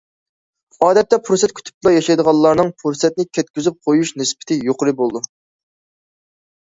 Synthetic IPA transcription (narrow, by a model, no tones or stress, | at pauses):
ɑːd̪ɛt̪ːɛpʰuɾsɛt̪̚kʲʰy̥t̪ʰy̥p̚lˠɑjɑʃɑjd̪əʁɑlˠːɑɾnɨŋpʰuɾsɛt̪̚nɪkʲʰɛt̪̚kʲʰyzyp̚qʰojuʃnɪspɪ̥t̪ʰɪjoqʰəɾɨbolˠd̪u